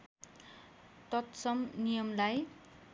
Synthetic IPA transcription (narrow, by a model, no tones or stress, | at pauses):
t̪ʌt̪sʌmnijʌmlaj